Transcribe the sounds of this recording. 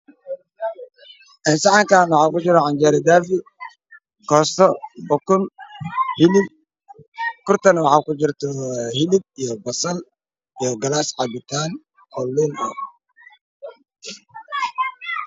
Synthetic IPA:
ʔɛnsaʕaŋkaːnwɑħaːkʊd͡ʒɪɾɔʕand͡ʒɛɾɪd̪aːfɪ | kɔːst̪ʰɔbɔkʊnhɪlɪb̚ | kʊrt̪ɐnwɑħaːkʊd͡ʒɪrt̪ʰɔhɪlɪd̚ijɔbɐsɐl | ijɔɡɐlaːsʕabɪt̪ʰaːn | ʔɔlːinɔ̰

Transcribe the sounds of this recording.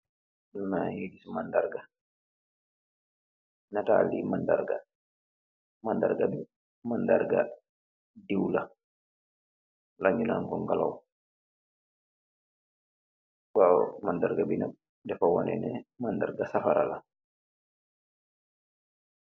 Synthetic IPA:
dunajedisimandaɾɡa | nata̰limandaɾɡa | manda̰ɾɡabi | manda̰ɾɡa̰ | diwla | laɲːunaŋkɔŋɡala̰w | ɓawmandaɾɡabina̰ | dɛfawɔnɛ̰nɛ̰manda̰ɾɡasafaɾa̰la

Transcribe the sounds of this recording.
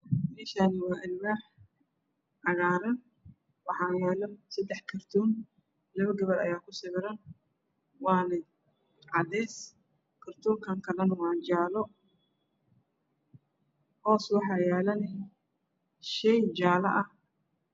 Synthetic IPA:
mɛːʃaːnɪwɑːʔɪlwaːħ | ʕɑɣaːɾɐn | wɑħɑːjɛːlɔsɐd̪ɛħkʰɐrt̪ʰuːn | lɐβɐɡɐβɐɾɐ̰jaːkʰʊsɪβɪɾɐn | wɑːnɐ | ʕɑd̪ɛːs | kʰɐrt̪ʰɔːŋkʰɐŋkʰɐlɐnwɑːt͡ʃaːlɔ | hɔːswɑħɑːjɛːlɐnɪ | ʃɛjt͡ʃaːlɐʔɐh

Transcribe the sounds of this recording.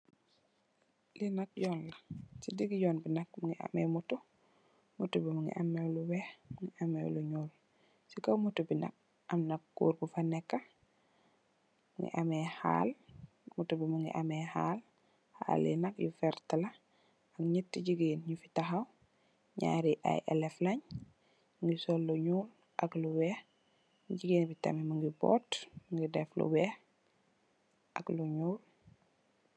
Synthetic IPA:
linɐk̚ɟɔːnlɐsidiɡiɟɔːnbinak̚muŋiʔa̰mɛmutu | mutubimuŋḭʔamɛluwɛhmŋiʔamɛ̰wluɲuːl | sikomutubina̰k̚ | ʔɐmnɐk̚kːṵːɾbufanɛkːa | mŋɡḭʔamɛha̰l | mutubimuŋɡḭʔamɛhaːl | ha̰lḭnɐkjufɛɾtɐlɐ | ɐkɲitːiɟiɡiːnɲufi̥tɐɦaw | ɲa̰ːɾiʔa̰jʔɛ̰lɛflɐɲ | ŋɡisolːuɲuːl | ʔɐkluwɛːh | ɟiɡeːnbitɐ̰mimɐŋɡibɔ̰ːtmŋɡidɛflṵwɛh | ʔɐkluɲuːl

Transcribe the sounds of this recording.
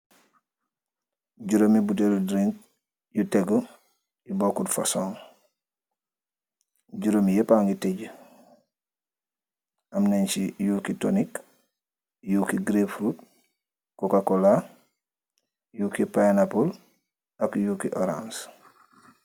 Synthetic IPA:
ɟuɾomibuteldɾiŋk̚ | juteɡo | jubokudfa̰soːŋ | ɟuɾomijepaŋɡiteɟə | ʔamnent͡ʃijuːkitonik | juːkiɡɾefɾut | kokakola | juːkipajnapul | akjuːkiʔoɾã̰ns

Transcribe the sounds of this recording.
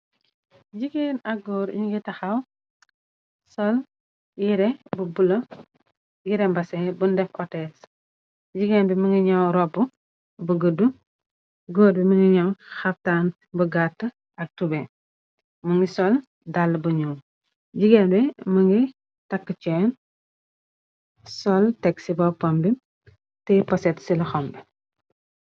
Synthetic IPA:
ɟiɡeːnɐɡɡɔːɾɲuŋɡitɐxɐw | sɔl | jiɾɛbubulɐ | jiɾɛmbɐsɛbundɛfʔɔtɛs | ɟiɡeːnbimɐŋɡiɲɐwɾɔbu | bəɡədu | ɡɔːɾbiməŋɡiɲɐwxɐftaːn | bəɡatːə | ɐk̚tubɛ | mɐŋɡisɔl | dalbuɲuw | ɟiɡɛnbimɐŋɡi | tɐkːət͡ʃɛn | sɔltɛksibɐpɔmbi | tɛpɔsɛtsilɐxɔmbɛ

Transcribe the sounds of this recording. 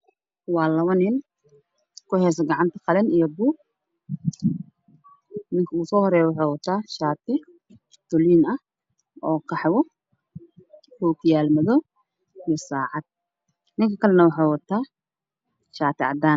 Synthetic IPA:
wɑːlɐβɐnɪn | kʰʊhɛːs̬ɐɡɐʕɑnt̪ʰɐqɑlɛnijɐbuː | nɪŋkʰɐuːsɔːhɔɾɛːjwʊħeːwɐt̪ʰaːʃaːt̪ʰɪ | t̪ʊliːnɐh | ʔɔːkʰɑħwɔ | huːkʰjaːlmɐðɔ | ijɔsaːʕɑd̪̥̚ | nɪŋkʰɐkʰɐlɛnɐwɑħawɐt̪ʰaː | ʃaːt̪ʰɪʕɑ̰d̪aːn

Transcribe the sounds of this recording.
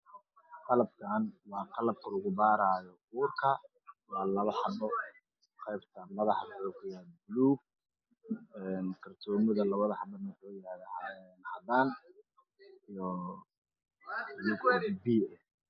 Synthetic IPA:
qɑlɐb̚kʰaːnwɑːqɑlɐb̚kʰɐʊɣʊbaːɾaːjɔ | uːrkʰɐ | wɑːlɐβɐħɑbɔ | qɛjbt̪ʰɐmɐðɑħɑkɔːkʰʊjabluː | ɛːnkʰɐrt̪ʰɔːmɪðɐlɐβɐðɐħɑnɐħɔːjɪɾaːðaɛnhɐðaːn | ijɔ | jɪɡɔbiːɛ

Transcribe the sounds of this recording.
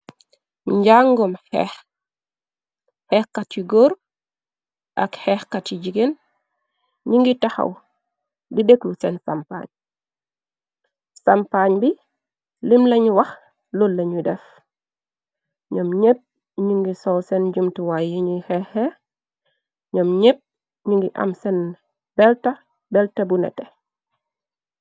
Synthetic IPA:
ɲɟaŋɡɔmhɛ̰x | hɛxkatiɡoɾ | ʔa̰khɛxkatid͡ʒiɡen | ɲiŋɡitaxa̰w | dideklusɛnsa̰mpa̰ɲ | sampaɲbi | limlɐɲwɐx | lɔlːɐɲudɛf | ɲɔmɲep̚ | ɲuŋɡisɔwsɛnd͡ʒumtiwajiɲuhɛhɛ | ɲɔmɲep̚ | ɲuŋɡiʔa̰msɛn | b̥ɛlta | bɛltɐbunɛ̰tɛ

